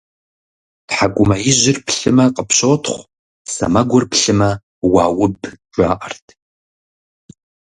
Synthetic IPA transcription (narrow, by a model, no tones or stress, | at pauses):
tħakʷʼʊmɐjɪʑɪrpɬɨmɐqʼəpɕoːtʰχʷ | sɐ̰mɐɡʷʊrpɬɨmɐ | wɑːwʊbʒʷʼa̰ːʔɐrtʰ